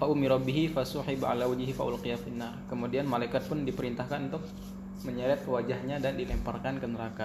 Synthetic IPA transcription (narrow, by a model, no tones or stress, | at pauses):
faʔʊmiɾɔbiɦifasʊħɪbʕa̰lawad͡ʒɦifa̰ʔṵlqijafinːarkəmudianmalajkat̪̚pʊndipəɾint̪ahkanunt̪ʊk̚ | məɲəɾɛt̪̚wad͡ʒahɲadandilɛmparkankənəɾaka